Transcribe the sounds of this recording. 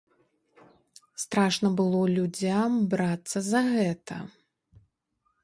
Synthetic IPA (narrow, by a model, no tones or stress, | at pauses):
st̪ɾaʂnɐbɨlˠɔlʲud͡zʲambɾat̪sːɐzɐɣɛt̪ʰɐ̰